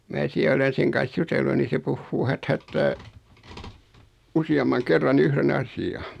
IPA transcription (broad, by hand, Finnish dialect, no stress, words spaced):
mæː siæ olen̞ seŋ kɑn̞s jutelːu ni se puhːuː hæthætːæː usiɑmːɑŋ kerːɑn yhren ɑsiɑ